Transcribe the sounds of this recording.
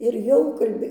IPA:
ɪr ˈjɛʊ kɐlʲˈbʲeː

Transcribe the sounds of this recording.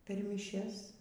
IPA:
pʲɛr mʲiːˈʃʲɛs

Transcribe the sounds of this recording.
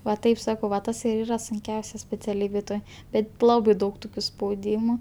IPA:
ʋɐ ˈtɐɪp ˈsɑːkɐʊ ʋɐ ˈtɐs ɪr ˈiːrɐ sʊŋʲˈkʲɛʊsʲɛ sʲpʲɛt͡sʲɛˈlʲiːbʲeːj ˈtoːj ˈbʲɛt ˈlˠɑːbɐɪ ˈdɐʊk ˈtʊkʲʊ spɐʊˈdʲiːmʊ

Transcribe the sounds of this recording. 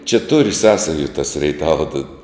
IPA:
t͡ʃʲɛ tʊr ˈsɑːsɐjʊ tɐs rʲɛɪˈtɑːʋɐ tɐ

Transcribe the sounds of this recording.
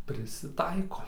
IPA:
pʲrʲɪsʲɪˈtɐɪkoː

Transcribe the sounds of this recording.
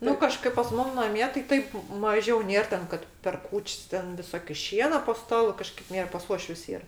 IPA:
ˈnʊ kɐˈʃkɐɪp pɐs ˈmʊm nɐˈmʲiɛ tɐɪ ˈtɐɪp ˈmɑːʒʲɛʊ ˈnʲeːr ˈtʲɛn ˈkɐt pʲɛr ˈkuːt͡ʃʲsʲ ˈtʲɛn ʋʲɪˈsoːkʲɪ ˈʃʲiɛnɐ poː ˈstɑːlˠʊ ˈkɑːʃkɐɪp ˈnʲeːr pɐs ˈuɔʃʲʋʲʊs ˈiːr

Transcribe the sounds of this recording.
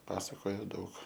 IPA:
ˈpɑːsɐkoːjɛ ˈdɐʊk

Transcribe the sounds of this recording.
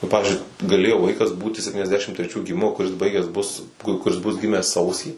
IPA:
nʊ ˈpɑːʋʲɪzʲd͡ʒʲʊɪ ɡɐˈlʲeːjoː ˈʋɐɪkɐs ˈbuːtʲɪ sʲɛpʲtʲiːnʲɛzʲˈdʲæːʃʲɪm tʲrʲɛˈt͡ʃʲuː ɡʲɪˈmʲɪmoː kʊˈrʲɪs ˈbɐɪɡʲæːs bʊs ˈkʊr kʊˈrʲɪs bʊs ˈɡʲɪmʲæːs ˈsɐʊsʲiː

